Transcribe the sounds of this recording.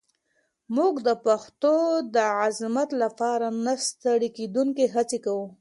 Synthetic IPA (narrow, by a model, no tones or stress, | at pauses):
muɡd̪əpaxt̪od̪əazmat̪lapɑɾanast̪aɽiked̪uŋkeɦat͡sekawu